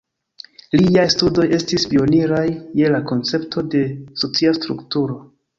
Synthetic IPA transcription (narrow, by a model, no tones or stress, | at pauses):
liajstudo̞je̞stispio̞niɾajːe̞lako̞nt͡se̞ptʰo̞de̞so̞t͡siastɾṵktuɾo̞